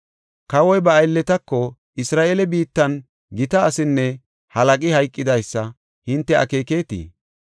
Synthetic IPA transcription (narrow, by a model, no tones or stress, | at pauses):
kɐwɔjbɐːjlːɛt̪ɐkːɔ | ʔɪsɾaːʔelɛbiːt̪ːɐn | ɡɪt̪ɐːsɪnːɛ | hɐlɐkʼɪhɐjkʼːɪd̪ɐjsːɐ | hɪnt̪ːɛʔɐ̰ke̞ːke̞ːt̪ḭː